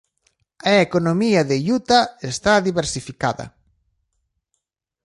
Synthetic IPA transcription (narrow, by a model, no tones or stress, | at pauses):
aekonomiɐðeʎut̪aest̪aðiβeɾsifikaðɐ̰